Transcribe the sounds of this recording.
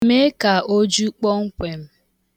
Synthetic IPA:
me˦ka˨o˦d͡ʒu˦k͡pɔ˦ŋ̩˦kʷe˨m̩˦

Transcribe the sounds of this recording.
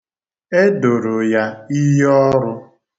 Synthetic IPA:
e˦do˨ɾʊ˨ja˦i˦ɦɔ˦ɾʊ˦

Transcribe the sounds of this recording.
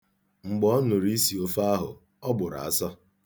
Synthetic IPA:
ŋ͡m̩˨ɡ͡bɔ˦nʊ˨ɾi˦si˨o˦fa˦a˦ɦʊ̰˨ | ɔ˦ɡ͡bʊ˨ɾa̰˨a˦sɔ˦

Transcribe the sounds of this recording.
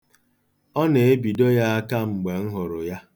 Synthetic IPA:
ɔ˦ne˨e˦bi˨do˦ja˦a˦ka˦ŋ͡m̩˨ɡ͡be˨ŋ̩˦ɦʊ˨ɾʊ˨ja˦

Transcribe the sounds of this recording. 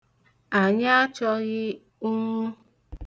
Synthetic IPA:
a˨ɲa˦a˦t͡ʃɔ˦ɣɪ˦ | ʊ˦ŋu˦

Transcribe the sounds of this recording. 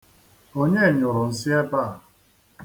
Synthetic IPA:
o˦ɲe˦˨ɲʊ˨ɾʊ˨n̩˨sɪ˦e˦ba˦˨

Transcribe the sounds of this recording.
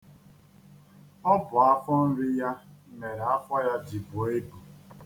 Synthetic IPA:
ɔ˦bʊ˨a˦fɔ˦n̩˦ɾɪ˦ja˦me˨ɾa˦fɔ˦ja˦d͡ʒi˨bo˨e˦bu˨

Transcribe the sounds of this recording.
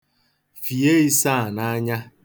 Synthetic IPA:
fi˨e˦i˦sa˦˨na˦a˦ɲa˦

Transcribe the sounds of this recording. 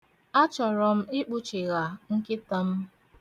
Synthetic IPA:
a˦t͡ʃɔ˨ɾɔ˨m̩˦ɪ˦k͡pu˦t͡ʃi˨ɣa˨ŋ̩˦kɪ˦ta˦m̩˦

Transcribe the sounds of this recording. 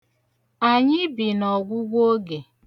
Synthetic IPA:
a˨ɲɪ˦bi˨nɔ˨ɡʷʊ˦ɡʷo˦ɡe˨

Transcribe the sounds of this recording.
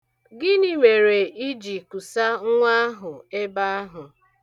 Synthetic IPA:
ɡɪ˦ni˦me˨ɾe˨ʔi˦d͡ʒi˨ku˨sa˦ŋ̩˦ŋʷa˦a˦ɦʊ˨e˦ba˦a˦ɦʊ˨

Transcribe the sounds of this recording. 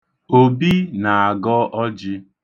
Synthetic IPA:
o˦bi˦na˨a˨ɡɔ˦ʔɔ˦d͡ʒɪ˦

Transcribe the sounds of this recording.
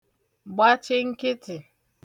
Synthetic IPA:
ɡ͡ba˦t͡ʃɪ˦ŋ̩˦kɪ˦tɪ˨

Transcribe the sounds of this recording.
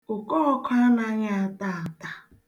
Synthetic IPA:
ʊ˨kɔ˦ɔ˦kʰʷa˦na˦ɲa˦a˨ta˦˨a˨ta˨

